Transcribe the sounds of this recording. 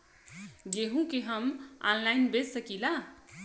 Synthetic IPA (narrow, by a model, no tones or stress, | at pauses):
ɡeɦũkeɦəma̰nlajnbessəkila